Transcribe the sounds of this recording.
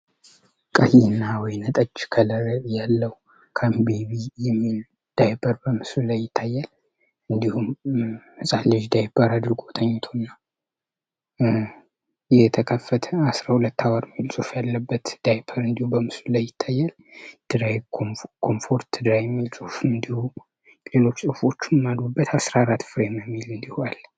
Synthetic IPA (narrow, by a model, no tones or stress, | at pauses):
kʼəhinːawɔjnət̪ʼət͡ʃːkʰələjalːəw | kʰambeβijɛmːil | d̪̥ajbʰəɾbəmɨsulajːɪt̪ʰːajːal | ɨnd̪ihumɨsʼalːɨʒd̪ajbəɾad̪ɨɾɡo̞t̪ʰəɲːɪt̪ʰonːa | jɛt̪ʰəkʰəfːət̪ʰəasɾahulət̪ːawaɾmːilsʼufjalːəbːət̪d̪̥ajbʰəɾɨnd̪ihubəmɨsulajːɪt̪ʰːajːal | d̪̥ɨɾajkʰo̞mfo̞ɾt̪ʰːɨd̪ɾajɛmːilsʼufɨnd̪ihu | lelo̞t͡ʃːsʼɨfo̞t͡ʃːɪmad̪obːət̪asɾaɾat̪ːfɨɾeməjɛmːilɨnd̪ihualː